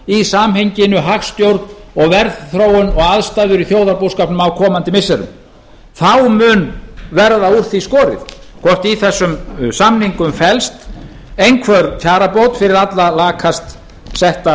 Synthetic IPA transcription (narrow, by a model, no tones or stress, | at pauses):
isaːmɦejɲcɪnʏɦaxst̪jowɾt̪nɔɣvɛɾðθɾoːwʏnɔɣaðst̪aːðʏɾiθjoːwðaɾpowskaːpnʏmawkʰɔːmant̪ɪmɪsːɛɾʏ̰m | θawmʏːnvɛɾðaur̥t̪iskɔːɾɪ̰θ | kʰɔr̥t̪iθɛsːʏmsamniŋkʏmfɛlst̪ | ejnkʰvœɾt̪ʰjaːɾapoːwt̪fɪɾɪɾat̪lalaːkʰast̪ | sɛht̪a